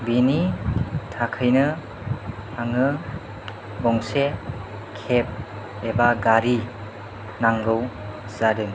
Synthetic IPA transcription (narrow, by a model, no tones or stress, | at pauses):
binitʰakʰɯjnɯ | aŋɯ | bɔŋse | kʰep̚ | ebaɡaɾi | naŋɡɯwz̥adɯn